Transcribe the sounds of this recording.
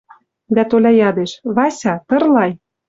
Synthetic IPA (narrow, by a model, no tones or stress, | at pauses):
d̪æt̪olʲɑjɑd̪eʃβɑsʲɑt̪ɤ̆rlɑj